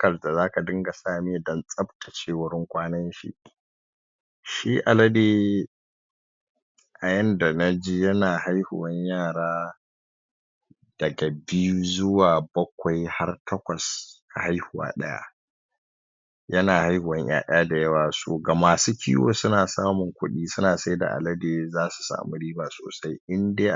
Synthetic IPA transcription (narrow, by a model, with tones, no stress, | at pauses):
kɐ˨ɾda˨zaː˦ka˨dɪ˦ŋɡa˨saː˦˨me˦˨dɐ˦nsʼɐ˦btʰḁ˨t͡ʃeː˦wʊ˦ɽɪ˦ŋkʷaː˦nɐ˦nʃḭ˦ | ʃiː˦ʔa˨lɐ˦deː˦ | ʔa˨jɐ˦nda˨na˦d͡ʒi˦jɐ˦naː˨ha˦jhʊ˨wɐ˦ɲjaː˦˨ɽaː˦ | d̥ɐ˨ɡa˨bi˦ju˦zʊ˦waː˨bɐ˦kʷa˨jha˦rtɐ˦kʷɐ˨sʔa˨ha˦jhʊ˨wa̰ː˦˨ɗɐ̰˦ja̰˦ | jɐ˦naː˨ha˦jhʊ˨wɐ˦ɲjʔa̰ː˦˨ɗɐ̰˦ja˦da˨jɐ˦waː˨so̰ː˨ɡa˨maː˨suː˦kʲḭː˦wo̰ː˦sʊ˦naː˨saː˦mʊ˨ŋkʷʊ˦ɗiː˦sʊ˦naː˨sa˦jda̰˨ʔa̰˨lɐ˦deː˨zaː˦su̥˨sa̰ː˨mu˦ɽiː˦baː˨so̰ː˨sa˦jʔɪ˦ndeː˦ʔ